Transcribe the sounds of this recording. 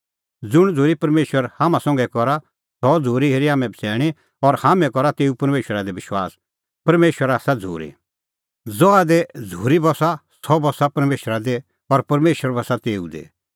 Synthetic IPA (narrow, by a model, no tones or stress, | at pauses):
d͡zʊɽ̃d͡zʱoːɾipɐɾmeːʃwəɾhaːmãsɔ̃ŋɡɛkɔɾa | sɔd͡zʱoːɾiɦeːɾiɦaːmɛ̃bsɛːɽ̃i | ɔɾhaːmɛ̃kɔɾat̪eːupɐɾmeːʃwəɾad̪ebɪʃwaːs | pɐɾmeːʃwəɾaːsad͡zʱo̰ːɾḭ | d͡zɔad̪ed͡zʱuːɾibɔsa | sɔbɔsapɐɾmeːʃɾad̪e | ɔɾpɐɾmeːʃəɾbɔsat̪eːṵd̪ḛ